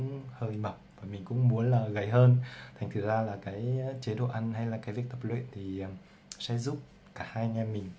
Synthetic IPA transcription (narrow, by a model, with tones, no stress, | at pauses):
ŋ͡mhəː˧jmə˨˩k͡p̚vaː˨˩mï˨˩ŋ̟kʊ̰˧˥ŋ͡mmu˨˦ənlaː˨˩ɣə˨˦jɦəː˧nt̪ʰa˨˩ŋ̟t̪ʰɨ˨˩zaː˧laː˨˩kaː˨˦jt͡ɕe˨˦ɗo̰˧˨ʔa˧ŋha˧jlaː˨˩kaː˨˦jvi˦ək̚t̪ə˦˧˥p̚lwḛ˧˨nt̪ʰi˨˩˨ | sɛ̰˧˥zu˦˥p̚ | kaː˧˩haː˧jŋa˧mï˨˩ŋ̟